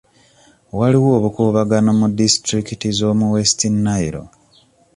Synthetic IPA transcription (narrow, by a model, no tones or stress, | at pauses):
waliwo̞ːβukuːβaɡanomudistɾikitizo̞ːmuwe̞stinːaiɾo̞̰